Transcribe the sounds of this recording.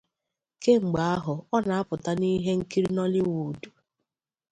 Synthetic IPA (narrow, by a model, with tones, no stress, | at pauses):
ke˦ŋ͡m̩˨ɡ͡ba˨a˦ɦʊ˨ɔ˦na˨a˦pʊ˨ta˦ni˦ɦe˦ŋ̩˦ki˦ɾi˦nɔ˦lɪ˦wu˨du˨